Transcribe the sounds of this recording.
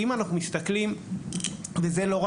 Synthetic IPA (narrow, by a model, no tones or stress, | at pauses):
imanaχnumist̪aklim | veze̞lo̞ʁa